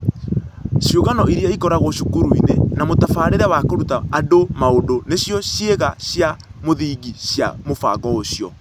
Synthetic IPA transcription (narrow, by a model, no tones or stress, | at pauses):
ʃjoɣanɔiɾiaikɔɾaɣɔʃukuɾuinenamotafaːɾeɾawakoɾutaadomaodoneɕjɔɕjeɣaɕjamoðiɡiɕja̰mofa̰ɣɔoɕijɔ̰